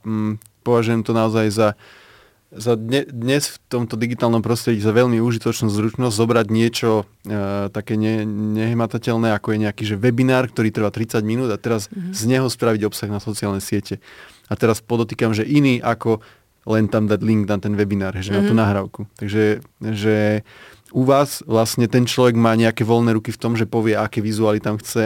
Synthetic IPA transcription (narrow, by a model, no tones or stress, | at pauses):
pɔʋaʒujɛmt̪ɔnaɔzajza | zad̪ɲɛd̪ɲɛsft̪ɔmt̪ɔd̪iɡit̪aːlnɔmpɾɔst̪ɾɛɟizaʋɛʎmiuʒit̪ɔt͡ʃnuːzɾut͡ʃnɔzʲzɔbɾaɟɲɪɛt͡ʃɔ | t̪akɛːɲɛɲɛɦmat̪acɛlnɛakɔjɛɲɛakiːʒɛʋɛbinaːɾk̚t̪ɔɾiːt̪r̩ʋaːt̪ɾit͡saɟminuːd̪at̪ɛɾazzɲɛɦɔspɾaʋiɟɔpsaɣnasɔt͡siaːlnɛsɪɛcɛ | at̪ɛɾaspɔd̪ɔt̪iːkamʒɛʔiniːʔakɔ | lɛnt̪amd̪aɟliŋɡ̪nat̪ɛnʋɛbinaːɾɦɛʒɛnat̪unaɦɾaʊkut̪aɡʒɛʒɛ | uʋaːzʋlasɲɛt̪ɛnt͡ʃlɔʋɛɡmaːɲɛakɛːʋɔlnɛːɾukift̪ɔmʒɛpɔʋɪɛakɛːʋizualit̪amxt͡sɛ